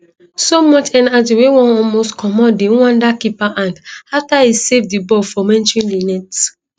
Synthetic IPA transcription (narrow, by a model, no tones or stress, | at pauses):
somɔt͡ʃɛ̃natiwewɔ̃nɔlmostkʰɔmɔdẽũãndakipaʔãndaftaisevdibɔfɔmɛ̃nt͡ʃɹĩnlinɛts